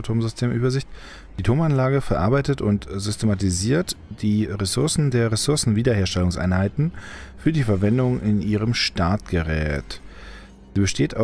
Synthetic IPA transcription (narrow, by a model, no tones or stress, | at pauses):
tʰoːmzʏstʰeːmʔyːbɐzɪçt | d̥iːtʰoːmanlaːɡəfɛɐʔaɐbaɪtətʊntz̥ʏstʰematiziːɐtd̥iːʁesʊɐsn̩deːɐʁesʊɐsn̩viːdɐheːɐʃtɛlʊŋsʔa̰ɪnhaɪtn̩fyːɐdiːfɛɐvɛndʊŋɪnʔiːʁəmʃtaɐt̚ɡ̥əʁɛ̰ːt | z̥iːbəʃteːta